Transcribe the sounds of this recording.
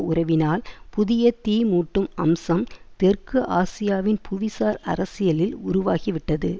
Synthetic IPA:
ʊrɐʋɪnaːlpʊðɪjɐt̪iːmuːʈːɯmɐ̰msɐmt̪ɛrkɯʔaːsɪjaːʋɪnpʰʊʋɪsaːɾɐ̰ɾɐsɪjɐlɪlʊɾʊʋaːɣiʋɪʈːɐðɯ

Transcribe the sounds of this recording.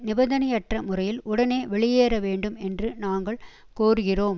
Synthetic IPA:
nɪbɐnðɐnɐjɐʈrɐmʊrɐjɪlʔʊɽɐneːʋɛɭɪjeːɾɐʋeːɳɖɯmɛndrɯnaːŋɡɐɭ | koːɾɯɣɪroːm

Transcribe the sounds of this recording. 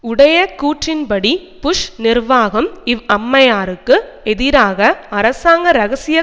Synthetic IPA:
ʊɽɐjɐkuːʈrɪnpɐɽi | pʊʂnɪrʋaːɣɐmɪʋɐmːɐjaːɾɯkːɯɛðɪɾaːɣɐɐɾɐsaːŋɡɐɾɐɣɐsɪjɐ

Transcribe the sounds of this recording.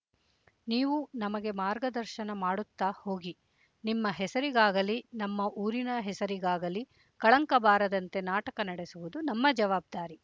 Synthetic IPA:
niːʋunɐmɐɡe̞maːɾɡɐd̪ɐɾʃɐnɐmaːɽut̪ːaːho̞ːɡi | nimːɐɦɛsɐɾiɡaːɡɐlinɐmːɐʔuːɾinɐɦɛsɐɾiɡaːɡɐli | kɐɭɐŋkɐbaːɾɐd̪ɐnt̪e̞naːʈɐkɐnɐɽesuʋud̪unɐmːɐd͡ʒɐʋaːb̚d̪aːɾi

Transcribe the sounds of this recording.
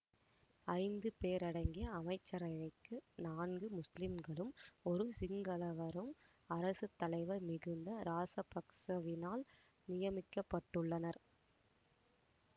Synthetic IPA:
ɐɪnd̪ɯpeːɾɐɽɐŋɡɪjɐːmɐɪt͡ʃːɐɾɐɪʋɐɪkːɯnaːnɡɯmʊslɪmɡɐɭɯmɔɾɯsɪŋɡɐlɐʋɐɾɯm | ɐɾɐsɯt̪ːɐlɐɪʋɐɾmɪɣɯnd̪ɐɾaːsɐpɐksɐʋɪnaːl | nɪjɐmɪkːɐpːɐʈːɯɭːɐnɐɾ

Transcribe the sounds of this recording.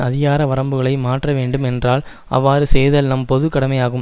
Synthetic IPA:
ɐðɪɣaːɾɐʋɐɾɐmbɯɣɐɭɐɪmaːʈrɐʋeːɳɖɯmɛndraːl | ʔɐ̰ʋːaːɾɯsɛjðɐlnɐmpɔðɯkːɐɽɐmɐjaːɣɯm

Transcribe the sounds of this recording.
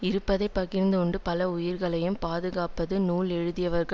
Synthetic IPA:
ɪɾɯpːɐðɐɪpːɐɣɪɾnd̪ɯʊɳɖɯpɐlɐʊjɪɾɣɐɭɐjɯmpaːðɯɣaːpɐðɯnuːlɛɻɯðɪjɐʋɐɾɣɐ

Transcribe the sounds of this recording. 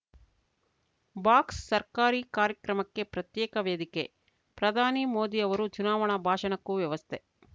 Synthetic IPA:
baːksːɐɾkaːɾikaːɾjɐkɾɐmɐkːe̞pɾɐt̪jɛːkɐʋeːd̪ike̞ | pɾɐd̪ʱaːnimoːd̪iɐʋɐɾut͡ʃunaːʋɐɳɐbʱaːʃɐɳɐkːuʋjɐʋɐst̪ʰe

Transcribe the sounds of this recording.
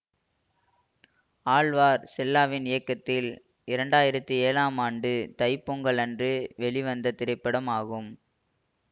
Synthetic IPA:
aːɭʋaːɾsɛlːaːʋɪnɪjɐkːɐt̪ːɪl | ɪɾɐɳɖaːjɪɾɐt̪ːɯeːlaːmaːɳɖɯt̪ɐɪpːuŋɡɐɭɐndrɯʋɛɭɪʋɐnd̪ɐt̪ɪɾɐɪpːɐɽɐmaːɣɯm

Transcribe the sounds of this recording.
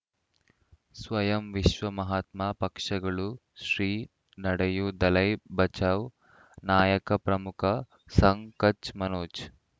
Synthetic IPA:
sʋɐjɐmʋiʃʋɐmɐɦaːt̪maːpɐkʂɐɡɐɭu | ʃɾiː | nɐɽɐjud̪ɐlɐjbɐt͡ʃaːʋ | naːjɐkɐpɾɐmukʰɐ | sɐŋkɐt͡ʃmɐnoːt͡ʃ

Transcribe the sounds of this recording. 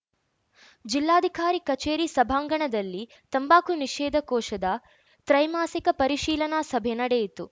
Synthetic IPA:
d͡ʒilːaːd̪ʱikaːɾikɐt͡ʃeːɾiːsɐbʱaːŋɡɐɳɐd̪ɐlːi | t̪ɐmbaːkʰuniʃɛːd̪ʱɐkɔːʃɐd̪ɐ | t̪ɾɐjmaːsikɐpɐɾiʃiːlɐnaːsɐbʱenɐɽejit̪u

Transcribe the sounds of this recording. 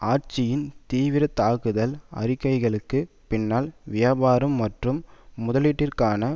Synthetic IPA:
aːɾt͡ʃɪjɪnt̪iːʋɪɾɐt̪aːɣɯðɐlɐ̰rɪkːɐɪɣɐɭɯkːɯ | pɪnːaːlʋɪjaːbaːɾɯmːɐʈrɯmːʊðɐliːʈːɪrkaːnɐ

